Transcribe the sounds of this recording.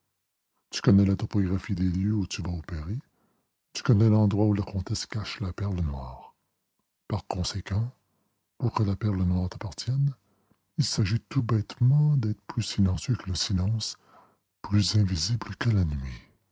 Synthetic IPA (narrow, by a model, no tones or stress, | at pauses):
t̪y̥kɔnɛlat̪ɔpɔɡʁafid̪eljøut̪yvaopeʁe | t̪y̥kɔnɛlɑ̃d̪ʁwaulakɔ̃t̪ɛskaʃlapɛʁlənwaːʁ | paʁkɔ̃sekɑ̃ | puʁkəlapɛʁlənwaːʁt̪apaʁt̪jɛn | ilsaʒit̪ubɛt̪mɑ̃d̪ɛːt̪χə̥pʰlysilɑ̃sjøkələsilɑ̃ːs | plyzɛ̃vizibləkəlanɥi